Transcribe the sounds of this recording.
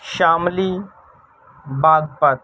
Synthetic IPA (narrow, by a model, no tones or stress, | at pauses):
ʃaːmliː | baːɡ̚pɐt̪